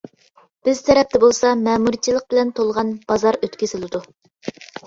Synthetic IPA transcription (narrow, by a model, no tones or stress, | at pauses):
b̥ɪzt̪ʰɛɾɛp̚t̪ʰɛbolˠsɑmɛːmuɾt͡ʃʰilˠəq̚bɪlɛnt̪ʰolˠʁɑnb̥ɑzɑɾøt̪kʲesɪlˠɪd̪u